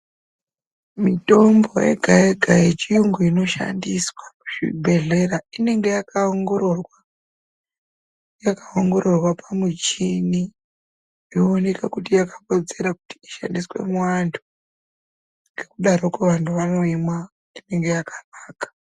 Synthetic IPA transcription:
mito̞mbo̞̰jḛɡʱaeɡʱajet͡ʃijuŋɡoino̞ʃa̰ndiswamuʐ̥ḭbʱe̞ɮe̞ɾaine̞ŋɡe̞jakaŋɡororwa | jakaoŋɡo̞ɾo̞rwapamut͡ʃini | ioːne̞kakutijakapo̞d͡ze̞ɾaku̥ti̥iʃa̰ndiswe̞̰mwantʰu̥ | ŋɡe̞kuɗaɾokweʋantʰuʋano̞imwa | ine̞ŋɡe̞jakḁnaːkḁ

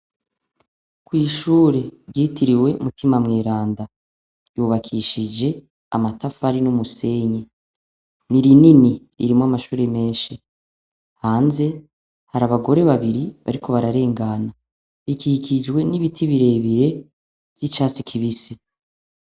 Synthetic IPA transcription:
kwiːʃuːɾe̞ɟiːtiɾiwe̞umutimamŋeːɾaːnda | juβakʰiːʃid͡ʒe̞ | a̰matafaɾinumuse̞ɲe | niɾinini | ḭɾimoamaʃuːɾe̞me̞ːʃi | haːnze̞ | haɾaβaɡo̞ɾe̞βaβiɾiβa̰ɾikʰo̞βaɾaɾe̞ːŋɡana | βikikʰid͡ʒɡwe̞niβitʰiβiɾe̞ːβiɾe̞ | v̥jit͡ʃaːt͡sikʰiβise

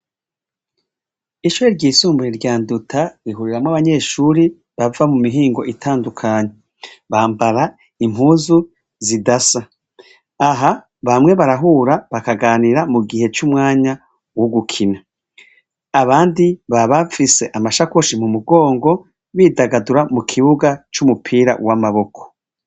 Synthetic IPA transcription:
iʃuɾeɾɟiːsuːmbuɾiɾɟaːndutʰaɾiɦuɾiɾamŋaβaɲe̞ːʃuɾi | βavamumiɦiːŋɡo̞ʔitʰaːndukʰaɲe | βaːmbaɾa | im̥ɦuːzu | zidasa | aɦa | βamŋe̞βaɾaɦuːɾaβakaɡaːniɾamuɡihe̞t͡ʃumŋaːɲa | woɡukʰina | βaːndiβaβafise̞ʔamaʃakoʃimumuɡo̞ːŋɡo̞ | βiːdaɡaduɾamukʰiβuɡat͡ʃumupʰiːɾa̰wamaβo̞kʰo̥

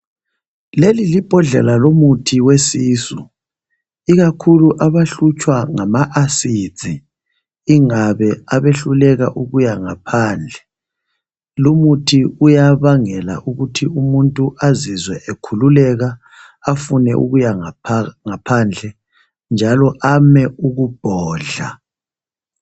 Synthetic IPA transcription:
lelilib̥ʱɔɮɛlalomutʰiwesiːsu | iɣakʰuluʔaβaɬut͡ʃʼwaŋamaʔasi̥d͡zʱʼiː | ŋaβɛaβeɬulɛɣaʔuɣujaŋapʰaːnd͡ɮʱɛ | lumutʰiujaβaŋɛla̰ʔuɣutʰiumuntʼuʔazizwɛʔekʰululɛɣaː | funɛʔṵɣujaŋapʰand͡ɮʱɛ | nd͡ʒʱalɔʔamɛuɣub̥ʱɔːɮa

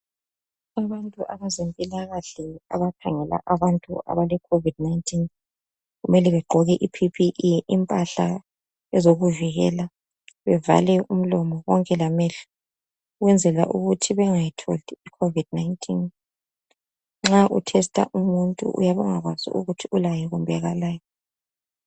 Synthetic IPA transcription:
aβantʼuʔaβazempʼilaɣaɬɛa̰βakʰaŋɛla̰ʔaβantʼuʔa̰βalɛkʰovid̥̚najntʰʼin | ɣumɛlɛβɛɡ͡ǃʱɔɣɛʔipʰipʰiʔiʔimpʼaɬa̰ | ɛzoɣuviɣɛ̰la | βɛva̰lɛum̩lɔmɔwɔŋkʼɛlamɛɬu̥ | uɣwɛnd͡zʱɛla̰ʔuɣutʰiβɛŋajitʰo̰liikʰovid̥̚naintʰʼin | ŋ͡ǁaʔutʰɛstʼa̰ʔumuntʼṵʔṵjaβɛŋaɣwazḭʔṵɣutʰiulajɛɣumbʱaɣalaːjɔ

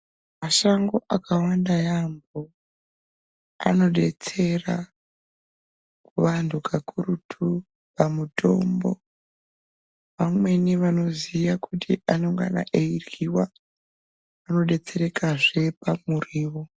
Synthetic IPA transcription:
maʃaŋɡo̞ʔakawandajambo | a̰no̞ɗe̞t͡se̞ra | kuʋantʰukʰakuɾutʰu | pamuto̞̰mbo̞̰ | ʋamwe̞niʋano̞zijakutiʔano̞ŋɡa̰na̰ʔeiriwa | no̞ɗe̞t͡se̞ɾe̞kaʐe̞pamuriːʋo

